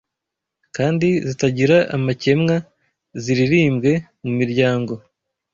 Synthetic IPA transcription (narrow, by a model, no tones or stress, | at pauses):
kaːndizitaɟiɾaʔamace̞mŋa | ziɾiɾiːmɡe̞ | mumiɾɟaːŋɡo̞